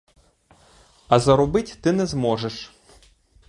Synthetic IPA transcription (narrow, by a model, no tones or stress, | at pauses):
ɐzɐɾʊbɪtʲt̪ɪnɛzmɔʒeʃ